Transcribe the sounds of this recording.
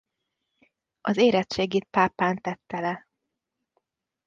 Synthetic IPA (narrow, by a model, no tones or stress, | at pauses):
ʔɒzeːɾɛt̪t͡ʃeːɡiːt̪̚paːpːaːnt̪ɛt̪ːɛlɛ